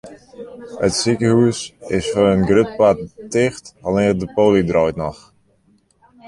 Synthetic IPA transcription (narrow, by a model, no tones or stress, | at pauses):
ətsikəhuəsɪsfɔnənɡrøt̚pat̚tɪxtalɪːrdəpoːlidrɔjtnɔ̰x